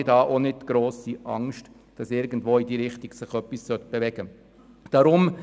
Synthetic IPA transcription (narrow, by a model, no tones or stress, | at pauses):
dɑːʔonɪd̚tɡ̥ɾoːsiʔɑŋʃt | d̥ɑsɪɾɡən̩dvoːidiːɾɪχtiɡsɪχœpːissœt̪̚b̥evɛɡ̥ə | d̥ɑɾʊm